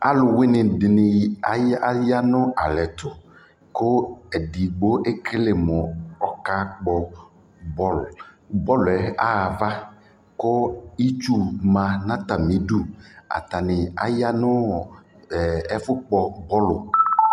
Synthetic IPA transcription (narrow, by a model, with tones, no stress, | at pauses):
a̰˦lʊ˨wɪ˦nɪ˨dɪ˨nɪ˨a˦ja˦nʊ˦ʔa˨lɛ˨t̪ʰʊ˨ | kʊ˦ɛ˨di˨ɡ͡bo˦ʔe˦ke˦lɪ˨mʊ˨ɔ˨ka˦k͡pɔ˨ | bɔ˦l | bɔ˦lɛ˨a˦a˨va˦ | kʊ˦i˦t͡ʃu˦mã˨nã˦t̪a˨mĩ˨˦du˦a̰˨t̪a˨nɪ˨a̰˨ja˦nʊ˦˨ | ɛ˦fʊ˦k͡pɔ˨bɔ˦lʊ˨